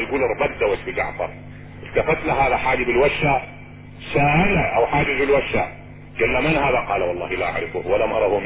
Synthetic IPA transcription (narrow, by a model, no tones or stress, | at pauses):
jɡuːlɪɾˤbad̪ːawasfid͡ʒɑ̰ʕfɑ̰ɾˤ | ʔɪlt̪afat̪laɦaːðaħaːd͡ʒibɪlwaʃːa | saːʔalaʔawħaːd͡ʒɪzbɪlwaʃːa̰ | ɡalːamanhaːðaqɑːlawɑlˤːɑːhilaːʔa̰ʕɾɪfuhwalamʔɑ̰ɾˤɑːhum